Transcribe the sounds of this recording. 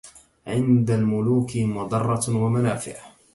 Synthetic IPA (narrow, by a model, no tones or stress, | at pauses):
ʕɪnd̪almʊluːkɪmʊd̪ˤɑrˤːɑwamanaːfɪ̰ʕ